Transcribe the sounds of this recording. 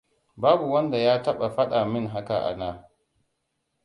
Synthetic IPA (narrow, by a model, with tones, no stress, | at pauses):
baː˦bu˨wɐ˦nda˨jaː˦tɐ˦ɓa˨ɸɐ˦ɗa˨mɪ˦ŋɦa˦ka˨ʔa̰˨naː˦